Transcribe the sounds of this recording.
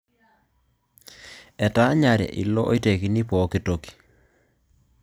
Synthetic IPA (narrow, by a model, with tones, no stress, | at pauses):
ɛ˨ta˨˦ɲa˨ɾjɛ̰˨ʔḭ˨lɔ˦ʔo˦i˦te˨ki˨ni˦pɔ˨˦ki˦to˨ki̥˨